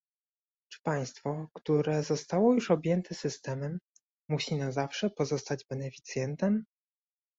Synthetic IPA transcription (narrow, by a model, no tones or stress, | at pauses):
t͡ʂɘ̥paj̃st̪fɔkt̪uɾɛzɔst̪awɔjuʂɔbʲjɛnt̪ʰɛsɘst̪ɛmɛmː | uɕinazafʂɛpɔzɔst̪ad͡ʑbɛnɛfʲi̥t̪sʲjɛnt̪ɛm